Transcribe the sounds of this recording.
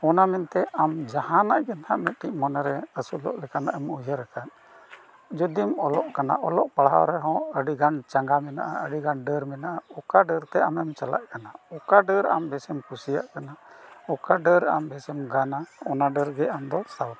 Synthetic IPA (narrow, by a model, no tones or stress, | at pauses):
ɔnamɛnt̪ɛʔamd͡ʒahanaʔɡɛnt̪ʰaʔmɛt̪̚ʈiʔmɔnaɾɛəsulɔ̰ʔlɛkanaʔɛmujəɾɛkʰat̪̚ | d͡ʒud̪imɔlɔʔkana̰ʔɔlɔʔpaɽɦa̰wɾɛɦɔ̃əɖiɡant͡ʃaŋɡamɛna̰ʔa̰əɖiɡanɖəɾmɛnaʔaɔkaɖəɾt̪ɛamɛmt͡ʃala̰ʔkanaɔkaɖəɾa̰mbɛsɛmkusija̰ʔkanaɔkaɖəɾa̰mbɛsɛmɡanaɔnaɖəɾɡɛamd̪ɔsawt̪